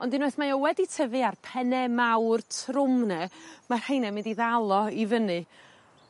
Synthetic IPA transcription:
ɔndɪnoθmajɔwɛditʰəvɨarpʰɛnɛmawrtʰrʊmnɛmar̥hejnɛmɪndiðalˠɔivənɨ

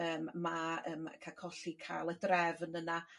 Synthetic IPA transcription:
əːmmaə̰ːmkʰakʰɔɬikʰa̰ːlˠədrɛvnəna

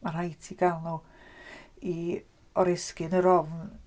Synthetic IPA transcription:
marhajtʰiɡ̥alˠnu | i | ɔɾɪskɨnəɾɔvn

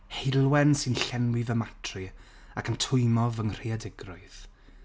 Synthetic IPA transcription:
helˠwɛnsɨnɬɛnwɪvəmatʰrɨ | akʰəmtʰʊɨmɔvəŋr̥iadɪɡrʊɨð

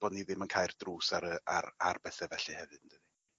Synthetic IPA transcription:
b̥ɔdniðɪmənkʰaːjrdruːsaɾəa̰rarbɛθɛvɛɬɨhɛvɨd̥nd̥ɨði

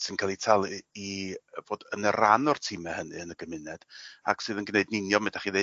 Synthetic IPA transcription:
sɨnkʰalˠitʰalˠiiəv̥oːdənəɾanɔrtʰiːmɛhənɨənəɡəmɪnɛd̥a̰ksɨːðənɡneɨdnɪnjɔmɪdaχiðe

